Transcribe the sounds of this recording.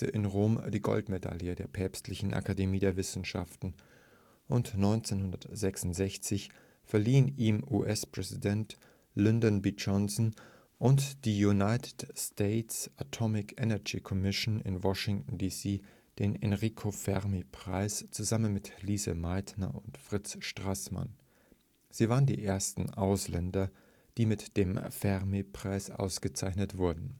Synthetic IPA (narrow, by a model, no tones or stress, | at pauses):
tə̰ʔɪnʁoːmd̥iːɡɔ̰ltmeda̰ljədeːɐpʰɛːpstlɪçn̩ʔa̰kʰademiːdeːɐvɪsn̩ʃa̰ftn̩ | ʔʊntnɔʏnt͡senhʊndɐtz̥ɛksʊntz̥ɛçt͡sɪç | fɛɐliːəniːmʔuːʔɛspʁ̥ɛzidɛnt | lɪndɔnbid͡ʒɔnsn̩ | ʔʊntd̥iːjunaɪtʰɪ̥tsteɪtsʔatʰɔmɪkʰʔɛnɛɡḭkʰɔmɪʃnɪ̰nwɔʃɪŋtn̩diːsiː | d̥eːnɛnʁikʰofɛʁmepʁ̥a̰ɪst͡suzamənmɪtliːzə̰maɪtnɐ̰ʊntfʁ̥ɪt͡sʃtʁ̥asma̰n | z̥iːvaːʁəndḭːʔeːɐstn̩ʔaʊslɛndɐ | d̥iːmɪtd̥eːmfɛʁmepʁ̥aɪsʔa̰ʊsɡ̥ət͡saɪçnətv̥ʊɐdn̩